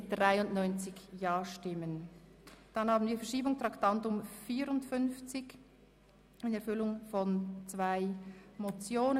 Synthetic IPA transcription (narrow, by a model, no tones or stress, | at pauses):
ɪd̥ʁaɪʊnnɔʏnt͡sɪçjɑːʃtɪmən | d̥ɑnhɑːbn̩viːɐfɛɐʃiːbʊŋtʁ̥ɑktɑntʊmfiːɾʊntfʏnft͡sɪç | ɪnɛɐfʏlʊŋfɔnt͡sv̥aɪmot͡sjoːnə